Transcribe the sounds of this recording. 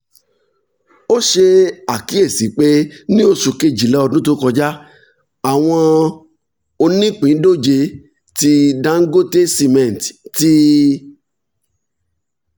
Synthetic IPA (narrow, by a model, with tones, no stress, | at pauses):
o˦ʃe˧a˨ki˨˦e˦˨si˨˦k͡pe˦nĩ˦o˦˧su˧ke˧d͡ʒi˨lɛ˨˦ɔ˧dũ˦t̬o˦kɔ˧d͡ʒa˦ | a˨w̃ɔ̃˧ | o˧nĩ˦k͡pĩ˨˦do˦˨d͡ʒe˧ | ti˧dã˦ŋ̩˦ɡo˦te˦si˧mɛ̃˨n˨tti˦